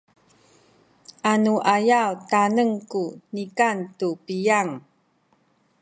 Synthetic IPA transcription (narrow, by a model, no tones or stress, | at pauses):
ʔanuʔajawtanəŋkunikantupijaŋ